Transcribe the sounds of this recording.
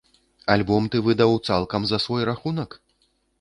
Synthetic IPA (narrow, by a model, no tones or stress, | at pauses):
alʲbɔmt̪ɨvɨd̪ɐwt̪salˠkɐmzɐsvɔjɾaxunɐk